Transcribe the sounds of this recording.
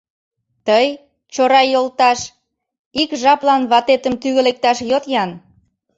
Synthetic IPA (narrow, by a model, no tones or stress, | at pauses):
t̪əj | t͡ɕoɾɑjolt̪ɑʃ | ikʒɑplɑnβɑt̪et̪əmt̪yɣə̆lek̚t̪ɑʃjot̪jɑn